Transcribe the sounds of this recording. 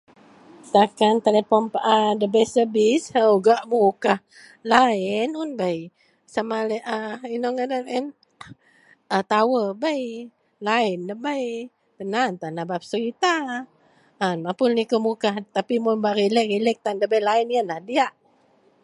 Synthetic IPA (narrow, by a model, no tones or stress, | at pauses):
sakant̪elepɔnpaʔadəbɛsəbisəuɡaʔmukah | laɪnunbaj | samalɛʔainɔŋədənɛn | ət̪awəbaj | laɪndəbaj | b̥ənant̪anabap̚səit̪aː | nmapʊnnikəmukaht̪apimunbaʔrilɛʔk̚rilɛk̚t̪andəbajlainjənahdiaʔ